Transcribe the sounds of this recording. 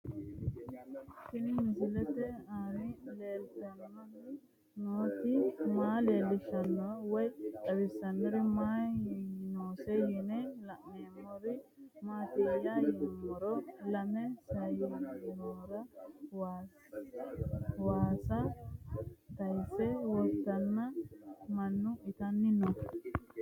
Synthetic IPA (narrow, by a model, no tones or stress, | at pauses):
kɪnɪmɪsɪlɛt̪ɛaːmileːlt̪ɐnːɔn | noːt̪imaːleːlɪʃɐnːɔwɔjɐwɪsɐnːɔɾimaː | noːsɛjɛnɛlɐʔŋemːɔɾɪ | maːt̪ijajɪnmːɔɾɔlɐmɛsɐjjɛmːɔɾɐwa | waːsɐ | t̪ɐjsɛwɔt̪ːɐnːɐmɐnːʊɪt̪ɐnːɪnɔ